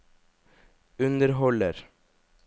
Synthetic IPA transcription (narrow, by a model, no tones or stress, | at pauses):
ʉnd̪əɾɦɔləɾ